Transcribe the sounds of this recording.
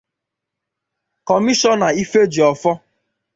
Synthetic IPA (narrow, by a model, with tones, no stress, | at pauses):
kɔ˨mi˦ʃɔ˦na˨i˦fe˦d͡ʒi˨ɔ˨fɔ˦